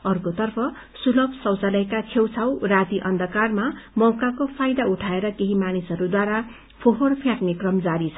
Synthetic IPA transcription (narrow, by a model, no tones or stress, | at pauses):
ʌrkot̪ʌrpʰʌ | sulʌbʱsʌwt͡salʌjkat͡sʰewt͡sʰawrat̪iʔʌnd̪ʱʌkarmamʌwkakopʰajd̪auʈʰaeɾʌkeɦimanisʌɾud̪waɾa | pʰoɦorpʰjãʈmikrʌmd͡zaɾit͡sʰʌ